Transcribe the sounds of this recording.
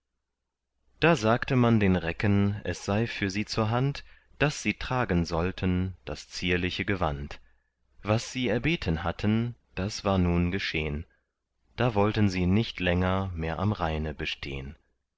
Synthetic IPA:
d̥aːzaːktəmandeːnʁɛkənʔɛsz̥aɪfyːɐziːt͡suːɐɦant | d̥asz̥iːtʁ̥aːɡənzɔltʰənd̥ast͡siːɐlɪçəɡəva̰nt | v̥asz̥iːɛɐbeːtʰənɦatʰənd̥asv̥aːɐnuːnɡəʃḛːən | d̥aːvɔltənziːnɪçtʰlɛŋɐmeːɐʔa̰mʁaɪnəbəʃtʰḛːən

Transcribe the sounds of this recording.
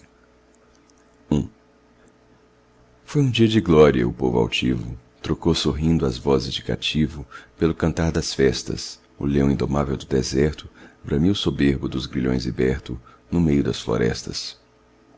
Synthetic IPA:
ũ | fojũd͡ʒiɐd͡ʒɪɡlɔɾiɐ̰ʊpovʊa̰wt͡ʃivʊ | t̪ɾokowsoɦĩnd̪ʊɐzvɔzɪzd͡ʒɪka̰t͡ʃivʊpelʊkɐ̃nt̪aɾd̪ɐsfɛst̪ɐ̰s | ʊ̰lẽw̃ĩnd̪omavewd̪ʊd̪ezɛɾt̪ʊbɾɐ̃miʊsobeɾbʊd̪ʊzɡɾiʎõ̰j̃zibɛɾt̪ʊ | nʊmejʊd̪ɐsflo̰ɾɛ̰st̪ɐ̰s

